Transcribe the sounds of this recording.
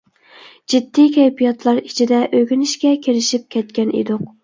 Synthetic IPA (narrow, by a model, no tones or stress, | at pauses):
d͡ʒid̪ːikʲʰɛjpʰijɑt̪lˠɑɾi̥t͡ʃʰid̪ɛʔøɡʲynɪʃkʲɛkʲʰeɾɪʃip̚kʲʰɛt̪̚kʲɛnḭd̪ʊq̚